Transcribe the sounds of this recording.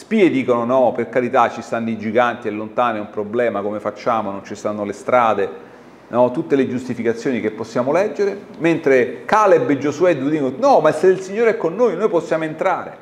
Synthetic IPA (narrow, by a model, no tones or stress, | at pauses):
spied̪iːkononɔperkaɾit̪at͡ʃːist̪anːoid͡ʒiɡant̪iɛlːont̪aːniɛumpɾoblɛːmakomefat͡ʃːaːmonont͡ʃist̪anːolest̪ɾaːd̪e | nɔt̪ut̪ːeled͡ʒust̪ifikat̪sːjoːnik̟epːosːjaːmolɛd͡ʒːeɾe | ment̪ɾekaːlebed͡ʒosuɛd̪ud̪iknɔmaseilsiɲːoːɾeɛkːonːoːjnoːjposːjaːmoent̪ɾaːɾḛ